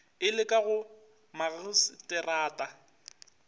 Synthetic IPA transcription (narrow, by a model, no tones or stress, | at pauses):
ɪlɪkʼaɣʊ | maɣɪstʼɛraːtʼa